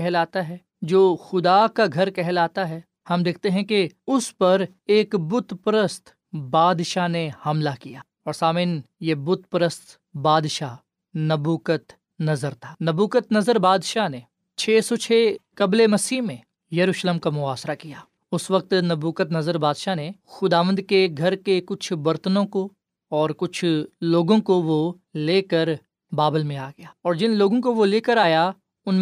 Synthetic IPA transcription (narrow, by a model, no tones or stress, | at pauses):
ɛɦlaːt̪aɦɛː | d͡ʒoːxʊd̪akaɡʱɐɾkɛɦlaːt̪aɦɛ | hɐmd̪eːkʰt̪eɦɛ̃keʊspɐɾ | eːkbʊt̪pɾəst̪ | baːd̪ʃanehɐmlakijaː | ɔːɾsaːmɪnjebʊt̪pɾəst̪ | baːd̪ʃa | nɐbuːkət̪ | nɐzəɾt̪ʰḁːnɐbuːkət̪nɐzəɾbaːd̪ʃane | t͡ʃʰeːsot͡ʃʰeːkɐblemɐsiːɦmẽ | jɐɾuːʃleːmkamʊaːsɾakijaː | ʊsʋɐk̚t̪nɐbuːkət̪nɐzəɾbaːd̪ʃanexʊd̪aːʋə̃nd̪keɡʱɐɾkekʊt͡ʃʰʋɐɾt̪ənõko | ɔːɾkʊt͡ʃʰloːɡõkoʋo | leːkəɾ | baːbəlmẽaːɡɐjaːɔːɾd͡ʒɪnloːɡõkoʋoleːkəɾaːja | ʊnm